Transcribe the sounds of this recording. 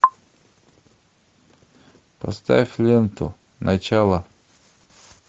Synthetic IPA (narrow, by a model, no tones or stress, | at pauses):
pɐ̰st̪a̰fʲlʲent̪ʊ̰ | nɐt͡ɕalˠə